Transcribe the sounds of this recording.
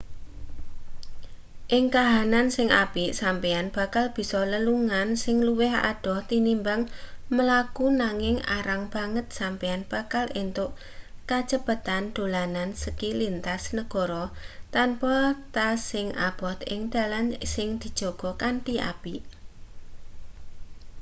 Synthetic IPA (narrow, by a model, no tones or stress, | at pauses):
ʔɪŋkaɦanansɪŋʔapiʔsampianb̥a̤kalb̥i̤sɔləluŋansɪŋluwɪɦa̰ɖ̥ɔ̤ht̪inimbaŋməlakunaŋɪŋa̰ɾaŋb̥a̤ŋət̪̚sampianb̥a̤kalint̪ʊʔ | kat͡ʃəb̥ə̤t̪and̪̥o̤lanansəkilint̪asnəɡ̥ɔ̤ɾɔt̪anpɔt̪asɪŋʔa̰b̥ɔt̪ɪ̰ŋd̪̥a̤lansɪŋd̪̥i̤̥d͡ʒ̥ɔ̤ɡ̥ɔ̤kaɳʈiʔa̰piʔ